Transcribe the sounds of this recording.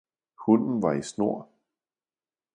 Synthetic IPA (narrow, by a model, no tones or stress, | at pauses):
hɔnn̩ʋɑ̈isno̝ɐ̰